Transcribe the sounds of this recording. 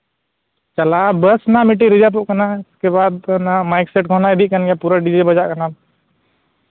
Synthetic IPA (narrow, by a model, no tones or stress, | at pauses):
t͡ʃəlabəsnamiʈ̬iɾid͡ʒap̬oʔkənaɪskeβad̪namajkseʈɡʱɔnaeb̪ʱiʔ̚kənɡɛpuɾaɖid͡ʒebəd͡ʒaʔkəna